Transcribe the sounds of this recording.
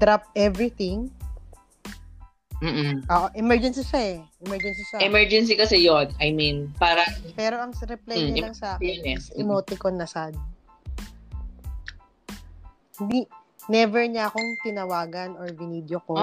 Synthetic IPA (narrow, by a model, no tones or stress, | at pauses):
d̪ɾap̚ʔɛvɾit̪ɪŋ | m̩ːʔoːʔoʔɛmɛɹd͡ʒɛnsiʃaɛʔɛmɛɹd͡ʒɛnsiʃaʔɛmɛɹd͡ʒɛns̬ikɐsɛjonɐjminpaːɾɐpɛːɾo̞ʔɐŋɾɛplɛɲɲɐlɐŋsɐnɛsɐʔɪmot̪ɪkonːɐsad̪̚ | hɪnd̪i | nɛvɛɹɲɐɐko̞ŋt̪ɪnɐwaːɡɐnoɹvɪniːd̪joko